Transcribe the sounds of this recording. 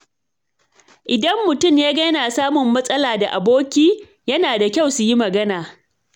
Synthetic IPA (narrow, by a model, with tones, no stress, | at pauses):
ʔɪ˨dɐ˦mːʊ˨tʊ˦˨mjaː˦ɡɐ˦naː˨saː˦mʊ˨mːɐ˦sʼɐ˦laː˨da˨ʔa˨boː˦kʲiː˦ | jɐ˦naː˨da˨kʲa˦˨wsu˨ji˦mɐ˨ɡɐ˦naː˨